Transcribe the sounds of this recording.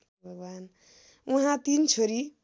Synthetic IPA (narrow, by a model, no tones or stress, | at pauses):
bʱʌɡan | uɦãt̪int͡sʰoɾi